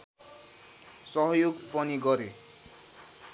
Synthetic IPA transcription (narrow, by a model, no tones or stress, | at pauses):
sʌɦʌjoɡpʌniɡʌɾe